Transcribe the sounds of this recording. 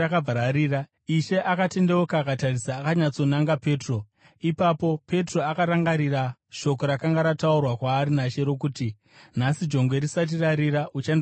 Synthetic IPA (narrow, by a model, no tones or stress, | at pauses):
akabʱaɾaɾiːra | iʃe̞ʔakate̞ndeokaːkatarisaːkaɲat͡so̞naŋɡape̞ːtro̞ | ipapo̞pe̞tro̞akaɾaŋɡaɾiraʃo̞ko̞ɾakaŋɡaɾataurwakwaːɾinaʃe̞ɾo̞k̬uːti | nasid͡ʒo̞ŋɡwe̞ɾisat̬iraɾiɾaʔut͡ʃen